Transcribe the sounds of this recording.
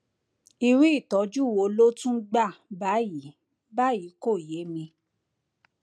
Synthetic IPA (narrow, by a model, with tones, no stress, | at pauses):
i˧ɾi˦i˦˨tɔ˨˦d͡ʒu˦˨wo˨˧lo˦tũ˦ɡ͡ba˦˨ba˨˦ji˨˦ | ba˦ji˨˦ko˦˨je˨˦mĩ˧